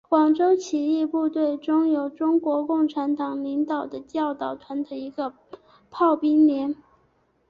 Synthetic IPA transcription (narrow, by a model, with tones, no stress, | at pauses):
kwɑ˨˩ŋʈ͡ʂo˥ʊt͡ɕʰi˧˥i˥˧pu˥˧t̪we˥˩ɪʈ͡ʂʊ˥ŋjo˧˩ʊʈ͡ʂʊ˥ŋkwɔ˧˥kʊ˥˩ŋʈ͡ʂʰa˧˥nt̪ɑ˨˩ŋli˧˥ŋt̪ɑ˨˩ʊd̪ə˦t͡ɕjɑ˥˩ʊt̪ɑ˨˩ʊt̪ʰwa˧˥nd̪ə˧i˧˥ɡə˧ | pʰɑ˥˩ʊpi˥ŋljɛ˧˥n